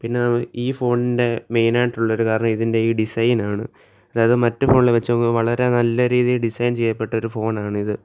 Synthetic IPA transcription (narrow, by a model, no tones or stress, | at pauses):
pinːe̞nɐmiːfo̞ːnːinde̞me̞jnaːʈːuɭːɐoɾukaːɾɐɳɐmiðinde̞iːɖisɐjnaːɳɨ | ɐðaːjɐðɨmɐtːɨfo̞ːnilʋet͡ɕːuɐŋoʋɐɭɐɾe̞nɐlːɐɾiːðijɖisɐjnt͡ɕe̞jːɐpːe̞ʈːɐo̞ɾufo̞ːnaːɳɨiðɨ